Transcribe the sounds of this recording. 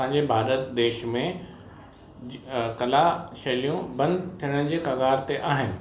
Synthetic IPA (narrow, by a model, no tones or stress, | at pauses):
ãːɲ̆d͡ʑebʱaːɾət̪d̪eːʃmẽ | kɐlaʃɐlijũbɐ̃nd̪t̪ʰijəɽ̃ɪ̆d͡ʑeːkɐɡaːɾt̪eʔaːɦɪnɪ̆